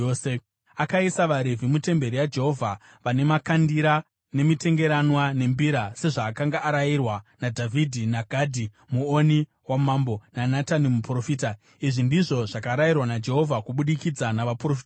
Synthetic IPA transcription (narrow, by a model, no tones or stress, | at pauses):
se | akaisaʋaɾe̞vʱimute̞mbe̞ɾijad͡ʒe̞ɦo̞vʱa | ʋane̞makandiɾa | ne̞mite̞ŋɡe̞ɾanwane̞mbiɾase̞ʐaːkaŋɡaʔːɾajirwanadʱavʱidʱinaɡʱadʱi | muoni | wamaːmbo̞nanatanimupro̞fiːta | iʐindiʐo̞ʐakaɾajirwanad͡ʒe̞ɦo̞vʱakuɓuɗikid͡zanaʋaprofi̥ta